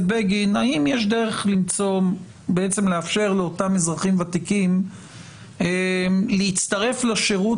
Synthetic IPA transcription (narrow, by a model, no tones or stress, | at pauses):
beɡinaimjeʃ̬de̞ʁeχlimt͡so̞ | beet͡semleafʃe̞ʁleotamezʁaχimvat̪ikim | leit͡st̪ɐʁe̞flaʃeʁu